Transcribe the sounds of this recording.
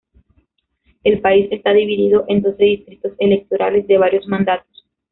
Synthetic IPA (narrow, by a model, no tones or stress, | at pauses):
e̞lpaise̞st̪aðiβiðiðo̞ʔend̪o̞seðist̪ɾit̪o̞se̞le̞k̚t̪o̞ɾa̰le̞zd̪e̞β̞aɾjo̞zmãnd̪at̪o̥s